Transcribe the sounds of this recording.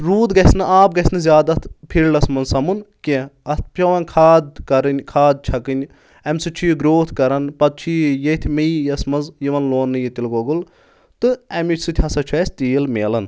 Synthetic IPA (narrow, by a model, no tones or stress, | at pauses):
ɾuːd̪ɡɐsʲnɨaːp̚ɡɐsnɨzʲaːd̪ɐt̪ʰpʰiɾɖɐsmɐnzsɐmunkẽɐt̪̚ʰpʰʲɐʋɐnkʰaːd̪̚kɐɾɨnʲkʰaːd̪̚t͡ʃʰɐkɨnʲ | ɐmsɨt͡ʃʰujɡɾoːt̪ʰkɐɾɐnpɐd̪̚t͡ʃʰijet̪ʲʰmɐjjɐsmɐnzjiʋɐnloːnːɨjit̪ilɡoɡul | t̪ɨɐmʲit͡ʃʰʲsɨt̪ʲʰhɐsɐt͡ʃʰɛːsʲt̪iːlmeːlɐn